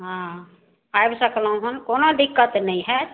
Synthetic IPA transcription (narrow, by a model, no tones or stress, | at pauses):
ɦã | ajbsəkʰlãɦənkoːnod̪ɪkːət̪nɐɦĩɦɛ